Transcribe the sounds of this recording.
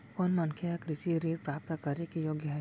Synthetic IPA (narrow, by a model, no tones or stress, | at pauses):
kɔːnmɐŋkʰeɐkɾɪʃiɾeːɾpɾaːp̚t̪akɐɾekijoːɡjaɦ